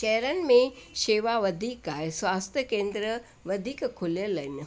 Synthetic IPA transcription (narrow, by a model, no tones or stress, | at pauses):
kɛɾɐnmẽʃeːʋaʋəd̪ʱiːkaesʋaːst̪ʰjəkẽːnd̪ɾə | ʋɐd̪ʱiːkkʰuljəlɐn